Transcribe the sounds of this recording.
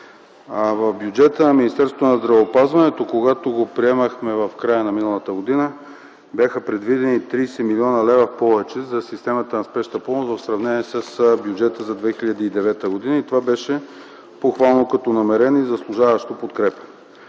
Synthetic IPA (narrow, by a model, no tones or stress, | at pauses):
vɐvbjud͡ʒɛt̪ənɐminist̪ɛɾsot̪onɐzd̪ɾɐvoːpazvɐnɛt̪okoɡat̪oɡopɾiɛməxmɛvɐfkɾajənɐminɐlˠət̪əɡod̪inə | bʲjaxəpɾɛd̪vid̪ɛnit̪ɾijsɛmiliɔnəlɛvəfpɔvɛt͡ʃɛzɐsist̪ɛmət̪ənɐspɛʃt̪əpɔmosvɐfsɾɐvnɛniɛsəsbʲjud͡ʒɛt̪əzɐd̪vɛxiʎəd̪iːd̪ɛvɛt̪əɡod̪inəit̪ovabɛʃɛ | poxvalˠnokɐt̪ɔnɐmɛɾɛnizɐslˠuʒavɐʃt̪opot̪kɾɛpə̥